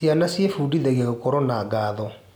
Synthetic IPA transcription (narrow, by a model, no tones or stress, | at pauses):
ianasijefudiðɛɣeokɔɾɔnaɡaːðɔ